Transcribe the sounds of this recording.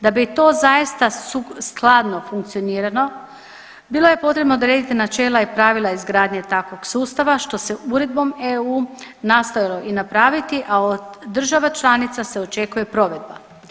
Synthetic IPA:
d̪abit̪o̞ːzajist̪ausklˠaːd̪no̞fuŋk̚t̪sio̞niːɾano̞ | bilˠo̞je̞po̞t̪ɾe̞bnoːd̪ɾe̞ːd̪it̪inat͡ʃe̞ːlaipɾaːʋilˠaizɡɾaːd̪ɲet̪akʋo̞ɡsuːst̪aʋaʃt̪o̞se̞uɾe̞d̪̚bo̞meuːnaːst̪o̞jalˠo̞ʔinapɾaːʋit̪iʔaod̪d̪r̩ʒaʋat͡ʃlˠanit̪sase̞o̞t͡ʃe̞kuje̞pɾo̞ʋe̞d̪̚ba

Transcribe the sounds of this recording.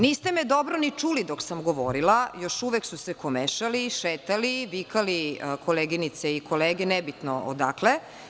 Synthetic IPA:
niːst̪emed̪obɾonit͡ʃuːlid̪oksamɡoʋo̰ɾilajoʃuʋeksusekomeʃaliʃeːt̪aliʋikalikʰoleɡinit̪seikoleːɡenɛbit̪no̰ʔo̰d̪akle

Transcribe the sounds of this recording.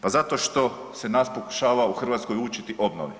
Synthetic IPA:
pazat̪o̞ʃt̪o̞ | senaːspo̞ku̥ʃaːʋauxr̩ʋaːt̪sko̞juːt͡ʃit̪iʔo̞bno̰ʋi

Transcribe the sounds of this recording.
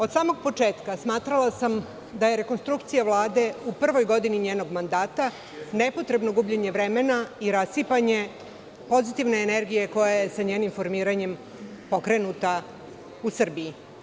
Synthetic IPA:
od̪saːmo̞ɡ̚po̞t͡ʂeːt̪kasmaːt̪ɾalasam | d̪ajeɾe̞ko̞nst̪ɾukt̪sijaʋlˠaːd̪e̞upr̩ʋo̞jɡo̞d̪iniɲeːno̞ɡmand̪aːt̪a | ne̞po̞t̪ɾe̞bno̞ɡubʎeɲe̞ʋɾe̞menaiɾasipaɲe̞ | po̞zit̪iʋne̞ːne̞ɾɡije̞ko̞jaje̞saɲeːnimfo̞ɾmiːɾaɲe̞m | po̞kɾe̞nut̪a | usr̩bii

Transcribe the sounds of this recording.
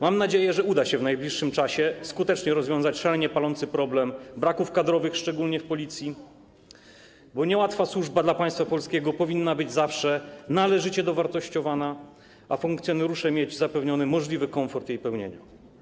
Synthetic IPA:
mamnad͡ʑejɛʐɛud̪aɕɛvnajblʲiʂːɘmt͡ʂaɕɛskut̪ɛt͡ʂɲɛɾɔzvʲjɔ̃zat͡ɕʂaɛɲɛpalɔnt̪sɘpɾɔblɛmbɾakufkad̪ɾɔvɘxʂt͡ʂɛɡulɲɛfpɔlʲit̪sʲji | bɔɲɛwat̪faswuʐbad̪lapaj̃st̪fapɔlskʲeɡɔpɔvʲinːabɘd͡ʑzafʂɛnalɛʐɘt͡ɕɛd̪ɔvaɾt̪ɔɕt͡ɕɔvana | ʔafuŋkt̪sʲjɔnɛɾuʂɛmʲjeɛd͡ʑzapɛvɲɔnɘmɔʐlʲivɘkɔɱfɔɾt̪jejpɛwɲḛɲa

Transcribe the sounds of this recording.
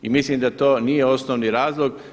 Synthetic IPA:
imislimd̪at̪oːnije̞o̞snoːʋniɾaːzlˠoɡ

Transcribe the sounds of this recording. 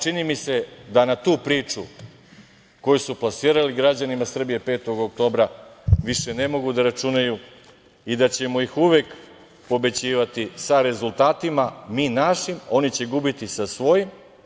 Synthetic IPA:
t͡ʃinimise̞d̪anat̪uːpɾiːt͡ʂu | ko̞jusuplˠasiːɾaliɡɾad͡ʑanimasr̩bije̞pe̞ːt̪o̞ɡokt̪o̞ːbɾaʋiʃe̞ne̞mo̞ɡud̪aɾat͡ʂunaju | id̪at͡ɕe̞moixuʋe̞k | po̞be̞t͡ɕiːʋat̪isaɾe̞zult̪aːt̪imamiːnaʃimo̞nit͡ɕe̞ɡubit̪isasʋo̞jim

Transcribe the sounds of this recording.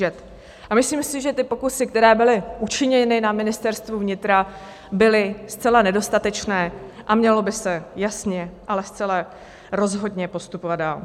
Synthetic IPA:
ɛt̪ | ʔamɪsliːmsɪʒɛt̪ɪpo̞kusɪk̚t̪ɛɾɛːbɪlɪʔut͡ʃɪɲɛnɪnamɪnɪst̪ɛɾst̪vuvɲɪt̪ɾa | bɪlɪst͡sɛlanɛdo̞st̪at̪ɛt͡ʃnɛːʔamɲɛlo̞bɪsɛjasɲɛʔalɛst͡sɛla | ɾo̞zɦo̞dɲɛpo̞st̪upovad̪̚daːl

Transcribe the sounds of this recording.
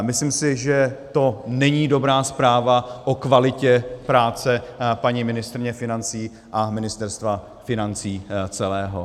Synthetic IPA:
mɪsliːmsɪʒɛt̪o̞nɛɲiːdo̞bɾaːspɾaːvaʔokvalɪcɛpɾaːt͡sɛpaɲimɪnɪst̪ɾɪɲɛfɪnant͡siː | ʔamɪnɪst̪ɛɾst̪va | fɪnant͡siːt͡sɛlɛːɦo̰

